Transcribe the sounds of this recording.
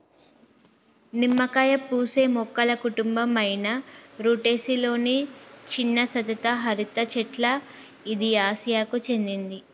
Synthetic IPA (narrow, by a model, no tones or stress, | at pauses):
nimːɐkaːjɐpuːse̞ːmɔkːɐlɐkuʈumbɐmɐjnɐɾuːʈe̞ːsilo̞ːnit͡ʃinːɐsɐt̪ɐt̪ɐɦɐɾit̪ɐt͡ʃɛʈlɐid̪iaːsijaːkut͡ʃe̞nd̪ind̪i